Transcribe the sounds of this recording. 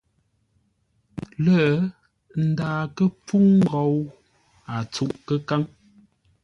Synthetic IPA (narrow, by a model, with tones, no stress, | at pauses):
lə˦˨ | n̩˦daː˨kə˦p͡fu˦ŋ̩˦˨ɡɔ˨˦w | a˨t͡su˦˨ʔkə˦ka˦ŋ